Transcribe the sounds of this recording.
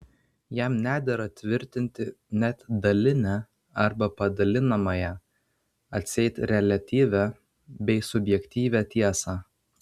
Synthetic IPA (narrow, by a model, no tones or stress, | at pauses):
jæmnʲæːd̪ʲɛɾɐt̪ʲʋʲɪɾʲt̪ʲɪnʲt̪ʲɪ | nʲɛt̪d̪ɐlʲɪnʲæ | ɐɾbɐpɐd̪ɐlʲɪnɐmɐjɛ | ɐt̪ʲsʲɛɪt̪ɾʲɛlʲɐt̪ʲiːʋʲæ | bʲɛɪsʊbʲjɛkʲt̪ʲiːʋʲæt̪ʲiɛsɑː